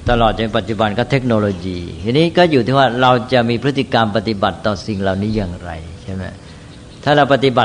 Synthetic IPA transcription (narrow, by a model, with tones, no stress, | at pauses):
t̪a˧lɔː˨˩t̪̚t͡ɕa˧pa˨˩t̪̚t͡ɕu˨˩ba˧nkɔː˥˩t̪ʰe˦˥k̚noː˧loː˧jiː˧ja˧nːiː˦˥kɔː˥˩juː˨˩t̪ʰiː˥˩waː˥˩ɾa˧wt͡ɕa˨˩miː˧pʰɾt̪ːi˨˩ka˧mpa˧t̪i˨˩ba˨˩t̪ːɔː˨˩si˨˩ŋɾa˨˧wniː˦˥jaː˨˩ŋɾa̰˧jt͡ɕʰa˥˩ma˦˥˩ | t̪ʰaː˥˩ɾa˧wpa˧t̪i˨˩ba˨˩t̪̚